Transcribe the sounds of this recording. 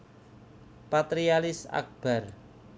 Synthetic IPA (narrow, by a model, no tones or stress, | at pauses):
pat̪ɾialɪsa̰k̚b̥a̤r